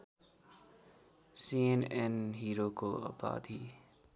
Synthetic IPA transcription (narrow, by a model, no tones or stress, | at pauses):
siːɛnɛnɦiːɾoːkoə̰pa̰ːd̪ʱiː